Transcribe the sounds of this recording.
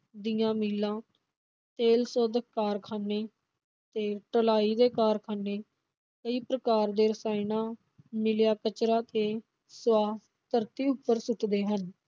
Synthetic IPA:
d̪ijãːmiːlãː | t̪eːlsoːd̪əkaːɾkʰaːneː | t̪eːʈəlaːiːd̪eːkaːɾkʰaːneː | kəiːpɾəkaːɾd̪eːɾəsaːinãː | mɪljaːkət͡ʃɾaːt̪eː | sʋaː | t̪əɾt̪iːʊpːəɾsʊʈʰd̪eːɦən

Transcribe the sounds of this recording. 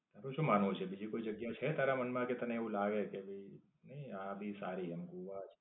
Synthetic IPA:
t̪aɾõʃũmaːnõt͡ʃʰebid͡ʒikoid͡ʒəɡjat͡ʃʰet̪aɾamənmãket̪əneːʋũlaɡekebʱəi | nəiãbʱisaɾiəmɡuʋat͡ʃʰ

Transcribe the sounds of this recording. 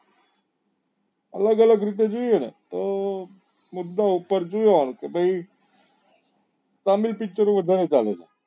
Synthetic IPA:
ələɡələɡɾit̪̬ed͡ʒuenḛt̪ə | mud̪ːaupəɾd͡ʒujonkebəi | t̪amilpikt͡ʃəɾoʋəd̪ʱaɾet͡saleta̰

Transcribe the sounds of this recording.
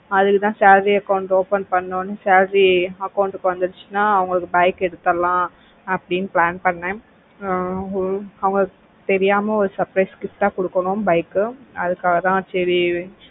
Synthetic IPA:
ɐðɯkːɯt̪ãːsaːlɾiɐkɐʊɳʈoːpɐnpɐɳːoːnːɯsaːlɾiɐkːɐʊɳʈɯkːɯʋɐnd̪ɯɽɯt͡ʃːɯnaːɐʋɐŋɡɐɭɯkːɯbaːkɛɽɯt̪ːɐlãː | ɐpːɐɽinːɯplaːnpɐɳːẽː | ɐʋɐŋɡɐk | t̪ɛɾɪjaːmɐɔɾɯsɐɾpɾɐɪskɪpʈːaːkɔɽɯkːɐɳʊ̃mbɐɪkːɯɐðɯkːaːɣɐt̪ãːt͡ʃːɛɾi

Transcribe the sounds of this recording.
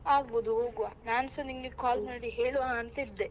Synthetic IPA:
aːɡ̚boːd̪uɦoːɡuʋaːnaːnsɐniŋɡekaːlmɐːɽiɦeːɭuʋaɐnt̪ɐid̪ːe

